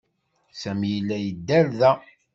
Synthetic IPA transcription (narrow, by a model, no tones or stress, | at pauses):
sæmjəlːæjəd̪ːæɾðæ